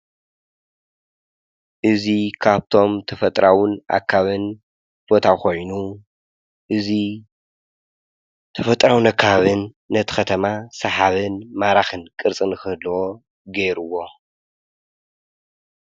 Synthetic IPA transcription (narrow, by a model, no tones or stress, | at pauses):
ʔɨzikʰaβt̪ʰo̞mt̪ʰɐfɐt̪ʼɾawʊnʔa̰kʰːaβɨn | b̥o̞t̪ʰakʰo̞jnu | ʔɨzi | t̪ʰɐfɐt̪ʼɾawɨnakʰːaaβɨnː | ɐt̪ʰɨ̥xɐt̪ʰɐmasɐħaβɨnmaɾaxɨnkʼɨɾt͡sʼɨnɨxɨhɨlːwo | ɡeɾuwo̞